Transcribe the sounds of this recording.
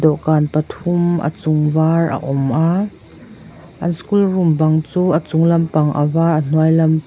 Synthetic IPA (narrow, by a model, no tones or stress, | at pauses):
dɔʔkaːnpɐt̪ʰumʔə̰t͡sʊŋvarʔɐ̰ʔɔmʔaː | ʔɐnskulrʊmbɐŋt͡suːʔət͡sʊŋlɐmpɐŋʔə̰vaːrʔɐn̥uəjlɐm